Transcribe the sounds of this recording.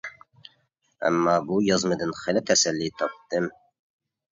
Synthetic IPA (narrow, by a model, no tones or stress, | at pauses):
æ̰mːɑːbuːjɑzmɨd̪ɪnχɪlɪt̪ʰæsælːiːt̪ʰɑp̚d̪̥ɨm